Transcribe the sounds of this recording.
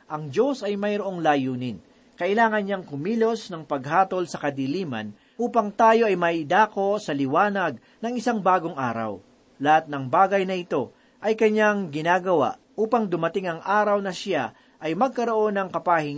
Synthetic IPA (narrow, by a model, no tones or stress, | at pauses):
ʔɐŋd͡ʒo̞sɐjmɐjɾo̞ʔo̞ŋlaːjuːnɪn | kɐʔɪlaːŋɐnɲaŋkʊmiːlo̞snɐŋpɐɡ̚ɦaːt̪o̞lsɐkɐd̪iliːmɐ̰n | ʔuːpɐŋt̪aːjo̞ʔɐjmɐɪd̪aːko̞sɐlɪwaːnɐɡ̚ | nɐŋɪsaŋbaːɡo̞ŋʔaːɾɐ̰w | lɐhat̪̚nɐŋbaːɡɐjnɐʔɪt̪o̞ | ʔɐjkɐɲaŋɡɪnaːɡɐwa̰ʔ | ʔuːpɐŋd̪ʊmɐt̪ɪŋɐŋʔaːɾɐwnɐʃa | ʔɐjmɐɡ̚kɐɾo̞ʔo̞nɐŋkɐpahɪŋ